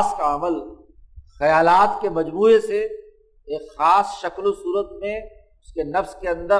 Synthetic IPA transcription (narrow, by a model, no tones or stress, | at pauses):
skaɐməl | xɐjaːlaːt̪kemɐd͡ʒbuːese | eːkxaːsʃɐklosuːɾət̪mẽ | ʊskenɐfzkeɐ̃nd̪ə